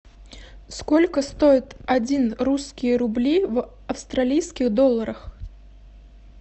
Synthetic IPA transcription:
skɔlʲkəst̪ojɪt̪ad͡zʲinruskʲijəɾʊblʲiv | ɐfst̪ɾalʲijskʲiɣd̪ɔlˠːɐɾəx

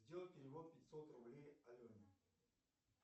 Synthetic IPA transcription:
zʲdʲelˠəlˠʲpʲɪɾʲɪvot̪̚pʲɪtʲsot̪rʊblʲejɐlʲonʲɪ

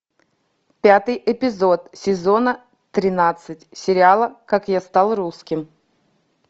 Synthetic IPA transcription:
pʲat̪ɨjʔɪpʲɪzo̞t̪sʲɪzo̞nə | t̪ɾʲɪnat̪sɨtʲsʲɪɾʲɪalˠəkakjast̪alˠruskʲɪm

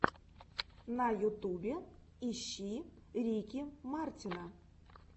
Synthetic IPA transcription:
najut̪ubʲe | iɕːiɾʲikʲimartʲina

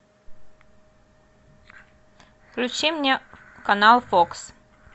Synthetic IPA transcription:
klʲʉt͡ɕimnʲe | kɐnalˠfoks

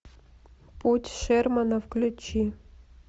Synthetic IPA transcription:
putʲʂɛrmɐnɐfklʲut͡ɕi

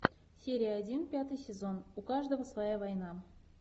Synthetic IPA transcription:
sʲeɾʲɪjəːdʲinpʲat̪ɨjsʲezonukɑʐd̪ovəsvɐjavɑjnɑ

